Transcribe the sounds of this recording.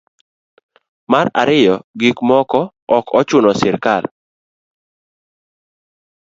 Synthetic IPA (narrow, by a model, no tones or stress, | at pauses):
maɾa̰ɾɪjɔɡikmɔkɔ | ɔkɔt͡ʃʊnɔsɪɾkal